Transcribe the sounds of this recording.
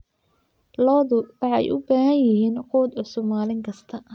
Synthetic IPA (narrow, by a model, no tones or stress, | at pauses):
lɔːðʊwɑħɑɛ̰jʔʊ̰baːɦɐnjɪɦiːnquːd̪ʊsʊmaːlɪŋkʰɐst̪ʰɐ